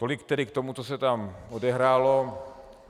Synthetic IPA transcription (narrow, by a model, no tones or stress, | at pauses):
t̪o̞lɪkt̪ɛdɪkt̪o̞mut͡sosɛt̪amodɛɦɾaːlo̞